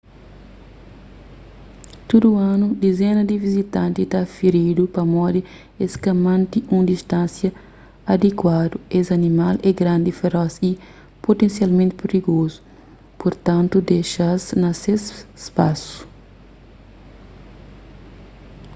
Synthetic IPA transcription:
t̪ud̪uanud̪ezenɐd̪ivizit̪ɐ̃nt̪it̪afiɾid̪upɐmɔd̪i | eskɐmãnt̪iũnd̪ist̪ãnsjɐː | d̪ekwad̪uesɐnimalɛɡɾãnd̪ifeɾɔsi | pot̪ẽnsjalmẽnt̪ɪpeɾiɡozu̥ | poɾt̪ɐ̃nt̪ud̪eʃaznɐsesspasu̥

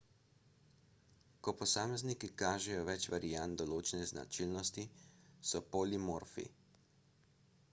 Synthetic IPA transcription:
kɔpɔsaːmɛznikikaːʒɛjɔʋɛt͡ʃʋaɾijant̪̚d̪ɔloːt͡ʃɛnɛzna̰t͡ʃilnɔst̪isɔpoːlimoːɾfḭ

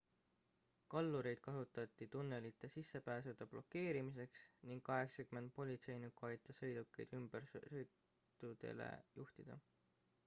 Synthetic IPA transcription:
kɑlːuɾejd̪̥̚kɑsut̪ːˑɑt̪ːˑit̪unːe̞lit̪ːˑe̞sisːe̞pæːs̬ed̪̥ɑb̥lo̞kːe̞ːɾimis̬e̞ksniŋɡ̥kɑɦe̞ksɑkyme̞nd̪̥̚po̞lʲit̪se̞jnukːuɑjt̪ˑːɑsɤ̞jd̪̥ukːḛjd̪̥ymb̥ersɤjt̪ːˑ | ud̪̥e̞̰lḛjuht̪id̪̥ɑ̰

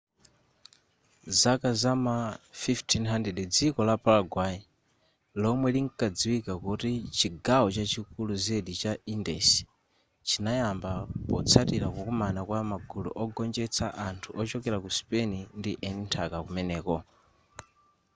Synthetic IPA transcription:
zakazamafiftʰinɦandɛdɛd͡zikɔlapʰalaɡwai | lɔmwɛliŋkad͡ziwikakutit͡ʃiɡawɔt͡ʃat͡ʃʰikuluzɛɗit͡ʃaindɛsi̥ | t͡ʃinajambapɔt͡sʰatiɾakukɔmanakwamaɡulṵʔɔɡɔnd͡ʒɛt͡sʰaʔantʰuʔɔt͡ʃɔkɛɾakuspɛnindiʔɛnintʰakakumɛnɛːkɔ

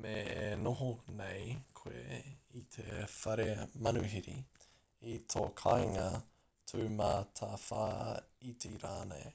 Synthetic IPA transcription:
meenoɦonejkʰweit̪ʰefɐɾemɐnuɦiɾi | itʰo̰kʰajŋɐ | tʰʉːmaːtʰafaːit̪ʰeɾaːnḛj

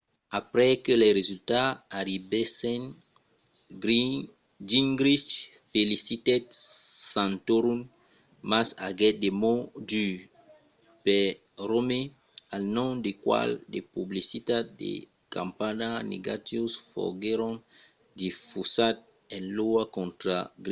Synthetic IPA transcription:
apɾɛkeleɾezylt̪aːɾibesɛn | d͡ʒiŋɡɾit͡ʃ | felisit̪ɛt̪̚sãntoɾun | masa̰ɡɛdemody | pɛ | ɾome | alnɔ̃mdekwa̰ldḛpublisitat̚dḛ | kã̰mpananḛɡat̪isfɔ̰ɡeɾɔ̃n | difusat̚ | ɛ̃nloakɔ̃nt̪ɾaɡɾi

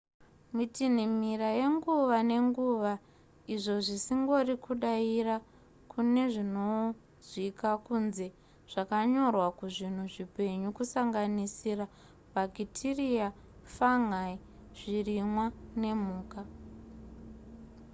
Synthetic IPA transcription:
mitin̤imiraje̞ŋɡuʋane̞ŋɡuʋa | iʐo̞ʐisiŋɡo̞rikuɗaira | kʰune̞ʐino | zikakunze̞ | ʐ̥akaɲo̞rwakuʐin̤uʐipe̞ɲukusaŋɡanisira | baɡʱitʰiria | faŋai | ʐ̥irimwane̞muːka

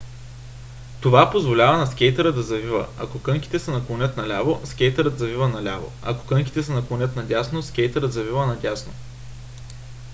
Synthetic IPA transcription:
t̪ovapozvolʲavɐnɐskʲɛjt̪əɾəd̪ɐzɐvivə̰ɐkokɤŋkʲi̥t̪ɛsɛnɐklˠonʲɤt̪nɐlʲavoskʲɛjt̪əɾət̪zɐvivənɐlʲa̰vo̰ɐ̰ko̥kɤŋkʲi̥t̪ɛsɛnɐklˠonʲɤt̪nɐdʲasnoskʲɛjt̪əɾət̪zɐvivənɐdʲasno

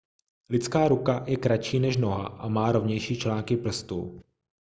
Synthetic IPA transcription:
lɪt͡skaːɾukajɛkɾat͡ʃiːnɛʃno̞ɦa̰ʔamaːɾo̞vɲɛjʃiːt͡ʃlaːŋkɪpr̩st̪ṵ

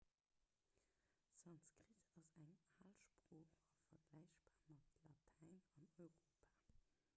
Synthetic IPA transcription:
sɑnskʁitʰɑsæŋaːlʃpʁoːχɐfɐɡlæɪɕb̥aːʁmɑtʰlɑtʰæɪnɑnɔɪʁoːpʰaː

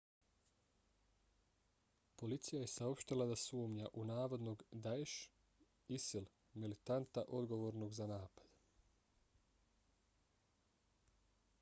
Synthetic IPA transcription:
po̞lit̪sijaje̞sao̞pʃt̪ilˠad̪asuːmɲaʔunaːʋod̪noɡd̪aeʃ | isilˠ | milit̪ant̪aʔo̞d̪ɡo̞ʋo̞ːɾnoɡzanaːpḁd̪

